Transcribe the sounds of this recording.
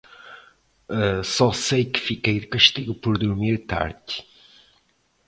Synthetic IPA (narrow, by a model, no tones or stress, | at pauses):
ɛsɔsejkɨ̥fikejðɨkɐʃt̪iɣupɔɾðuɾmiɾt̪a̰ɾd